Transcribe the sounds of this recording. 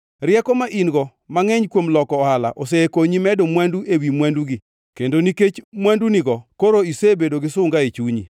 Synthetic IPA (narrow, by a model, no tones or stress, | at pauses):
ɾjɛkɔmaʔinɡɔ | maŋɛɲkwomlɔkɔːhala̰ʔoseekoɲimɛdomwanduʔewimwanduɡi | kendoniket͡ʃmwanduniɡɔkoɾoisebedoɡɪsʊŋɡaet͡ʃuɲḭ